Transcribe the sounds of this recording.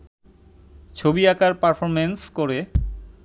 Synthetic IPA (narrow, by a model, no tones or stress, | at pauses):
t͡ɕʰobiakʰaɾpaɾfʰoɾmenskoɾe